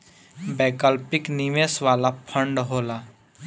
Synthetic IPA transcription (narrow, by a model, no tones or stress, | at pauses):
bɛːkəlpɪknimesʋaːlapʰə̃ɳɖɦoːla